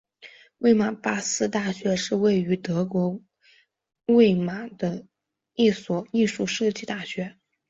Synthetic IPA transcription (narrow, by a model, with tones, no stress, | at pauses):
we˥˩ɪma˨˩pa˥sɹ̩˥t̪a˥˩ɕɥɛ˧˥ʂɻ̩˥˧we˥˩ɪy˧˥t̪ɤ˧˥kwɔ˧˥ | we˥˩ɪma˨˩d̪̥ə˧ | i˥˩swɔ˨˩i˥˧ʂu˥˧ʂɤ˥˧˩t͡ɕi˥˧t̪a˥˩ɕɥɛ˧˥